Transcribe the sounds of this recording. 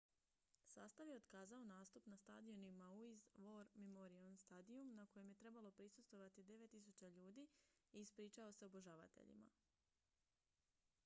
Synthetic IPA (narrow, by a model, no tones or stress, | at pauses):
saːst̪aʋjeo̞d̪kaːzao̞naːst̪upnast̪a̰d̪io̞nimauizʋo̞ɾmemoɾionst̪ad̪iumnakoje̞mje̞t̪ɾe̞balˠo̞pɾisust̪ʋo̞ʋat̪id̪e̞ʋe̞t̪ːis̬ut͡ɕaʎuːd̪iːiispɾiːt͡ʃao̞se̞oboʒaːʋa̰t̪ḛʎḭma̰